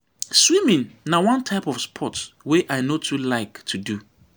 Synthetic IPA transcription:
swĩmĩŋnawãntʰaɪpɔfspʰɔtswɛʔaɪnotʰulaɪktʰudu

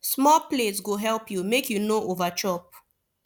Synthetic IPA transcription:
smɔpletsɡoɦɛlpjumekʰjunoʔovat͡ʃɔp̚

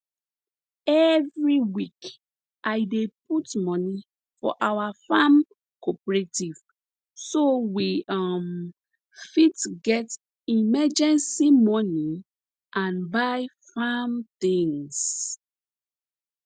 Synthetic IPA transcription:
ɛvɹiwik | ʔajdep̚utmɔni | fɔ̰ʔawafam | kɔpɹetiv | sowiɔm | fitɡɛt | imɛd͡ʒɛ̃nsimɔni | ʔãnbaɪ | famt̪ĩŋs

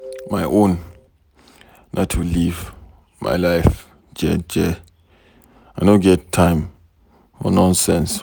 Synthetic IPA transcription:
majʔõn | nʔatʰːuliv | mʔa̰ɪlaɪf | d͡ʒɛd͡ʒɛ | ajnoɡɛtʰːãɪ̃m | ɔ̰nɔ̃nsɛ̃ns

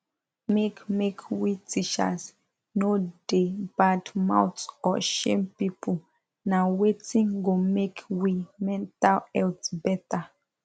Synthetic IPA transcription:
mekmekʰwitit͡ʃa̰s | nodebatmã̰wtsɔʃḛ̃mpipʰu | nawetĩŋɡomekʰwimɛ̃ntalɛltbɛta

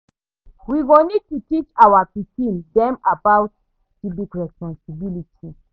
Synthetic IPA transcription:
wiɡonid̚tutit͡ʃawapikĩndɛ̃mabaʊt̚ | siblikɹɛspɔ̃nsibilitʰi

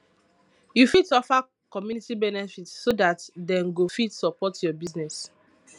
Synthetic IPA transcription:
jufidsɔfa | kɔmjunitibɛnɛfitːodatdɛ̃nɡofitsɔpɔtjɔbiznɛs

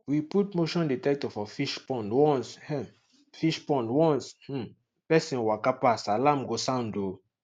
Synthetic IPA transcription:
wiput̚moʃɔ̃nditɛk̚tɔfɔfiʃpɔ̃ntwɔ̃nshɛ̃ | fiʃpɔ̃ntwɔ̃ns̩ | pɛsĩnwakapasalãmɡosãndo

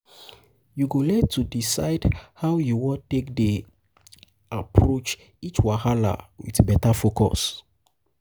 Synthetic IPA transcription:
juɡolɛtudisa̰ɪdhawjuwɔ̃tekde | apʰɹot͡ʃ | it͡ʃwahala̰wḭtbɛtafokɔ̰s

